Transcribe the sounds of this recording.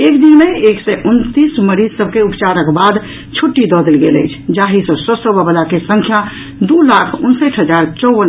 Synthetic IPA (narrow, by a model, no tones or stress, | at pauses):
ekd̪inmeeksɛʔunt̪isməɾizsəb̚ʱkeupt͡ʃaɾəkbad̪ | t͡ʃʰuʈːid̪ɔd̪elɡelə̰jt͡ʃʰd͡ʒaɦisə̃sɔsəbʱəbəlakesə̃ŋkʰja | d̪ulakʰunsəʈʰɦəd͡ʒaɾt͡ʃɔbən